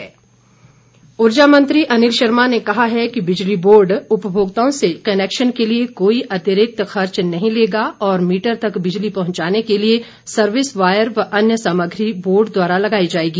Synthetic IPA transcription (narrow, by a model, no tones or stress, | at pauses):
ɦː | ʊɾd͡ʒamɐ̃nt̪ɾiʔɐnɪlʃɐɾmanekɐɦaɦɛkibɪd͡ʒliboːɾɖʊpəbʱoːɡt̪aõsekɐneːkʃənkeliekoːiʔɐt̪ɪɾɪk̚t̪xɐɾt͡ʃnɐɦĩleːɡaɔːɾmiːʈəɾt̪ɐkbɪd͡ʒlipɐɦʊ̃ɲt͡ʃaːnekelie | sɐɾʋɪsʋaːjəɾʋɐʔɐnjəsaːməɡʱɾiboːɾɖd̪waːɾalɐɡaːid͡ʒaːeːɡiː